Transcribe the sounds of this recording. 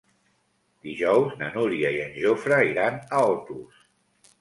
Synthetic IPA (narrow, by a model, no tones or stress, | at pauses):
d̪̥iʒɔwznənuɾiəiənʲʒofɾəiɾanəɔt̪us